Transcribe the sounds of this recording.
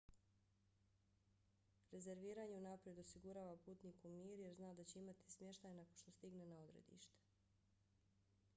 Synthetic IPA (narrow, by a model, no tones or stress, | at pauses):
ɾe̞ze̞ɾʋiːɾaːɲeunapɾje̞d̪o̞siɡuɾaːʋapuːt̪nikumiːɾuje̞ɾznaːd̪at͡ɕe̞imat̪i̥smjeʃt̪ajnakonʃt̪o̞st̪iɡne̞nao̞d̪ɾe̞̰d̪ḭʃt̪e̥